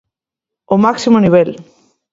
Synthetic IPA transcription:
omaksimoniβ̞el

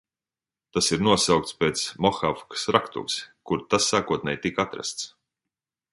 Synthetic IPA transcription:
t̪asiɾnuɔsawk̚t̪speːt̪smɔxafksɾakt̪ṵkskuɾt̪asːaːkuɔt̪nʲɛjt̪ikat̪ɾa̰st̪s

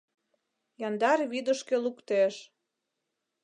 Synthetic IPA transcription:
jɑnd̪ɑrβid̪ə̆ʃkelukt̪eʃ

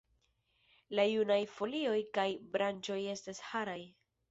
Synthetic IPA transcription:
lajunajfo̞lio̞jkajbɾant͡ʃo̞je̞stashaɾaj

